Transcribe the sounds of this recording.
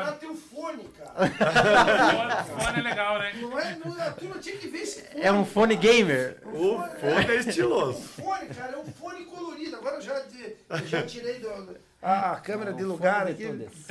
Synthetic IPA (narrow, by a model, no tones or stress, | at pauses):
ɐt̪ẽj̃ʊ̃fõnɪkaɾ | fonɛleɡawnɛnɐ̃w̃ɛnɐ̃t̪unɐ̃t͡ʃ̪ĩj̃kɪveɾesɪ̥ɛũfõnɪɡẽjmeɾfõɛist͡ʃilozʊfõnɪkaɾɛũfõnɪkoloɾid̪ʊaɡɔɾɐʒad͡ʒiʒat͡ʃiɾejd̪ʊd̪ | aakɐ̃meɾɐd̪ɪluɡaɾaki